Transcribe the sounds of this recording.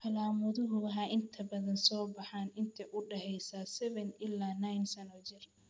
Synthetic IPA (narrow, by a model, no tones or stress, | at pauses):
ʔɐlaːmʊðʊɦʊɐɦaːʔɪnt̪ʰɐbɐðɐnsɔːbɑħaːnɪnt̪ʰɛʔʊɖɛɦɛjsaːsɛβɛnɪlːaːnajnsɐnɔːt͡ʃɪr